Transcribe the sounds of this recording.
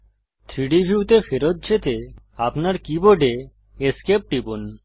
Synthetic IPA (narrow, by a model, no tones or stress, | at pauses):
t̪ʰɾiɖibʱiut̪efeɾot̪̚d͡ʑet̪e | apnaɾkiboɖe | eskep̚ʈibun